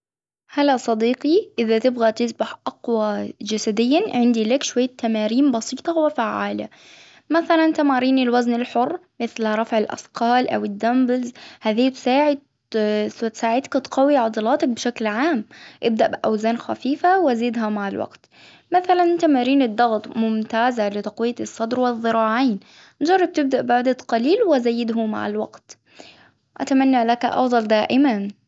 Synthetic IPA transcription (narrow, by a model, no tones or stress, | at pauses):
halːasˤɑd̪iːqiʔɪðat̪ɪbɣat̪ɪsbaħʔɑqwad͡ʒasad̪ɪjːaʕɪnd̪ilakʃwajːat̪ːamaːɾiːmbɑsˤiːt̪ˤɑhʊwːafaʕːa̰ːla̰ | maθalant̪amaːɾiːnɪlwaznɪlħʊrːmɪθlɾˤɑfʕɪlʔɑ̰sqʰɑːlʔa̰wɪd̪ːambɪlzhaːðiːt̪saːʕɪd̪̚ | st̪saːʕɪd̪kʊt̪qɑwːiʕɑd̪ˤɑlɑːt̪ɑk̚bʃaklʕaːmʔɪb̚d̪aʔbɪʔawzaːnxa̰fiːfawʔaziːd̪ɦamaʕalwa̰ɡt̪ | maθalanʔɪnt̪amaɾiːnɪd̪ˤːɑɣt̪ˤmʊmt̪aːzalɪt̪ɑqwɪjːasˤːɑd̪ɾwɪðˤːɨɾˤɑːʕaːn | nd͡ʒɑrˤːɑb̚t̪ɪb̚d̪aʔbaʕd̪at̪qɑliːlwɪzajːɪd̪ɦʊma̰ʕa̰lwa̰ɡt̪ | ʔa̰t̪amanːalakʔɑ̰fd̪ˤɑld̪aːʔɪman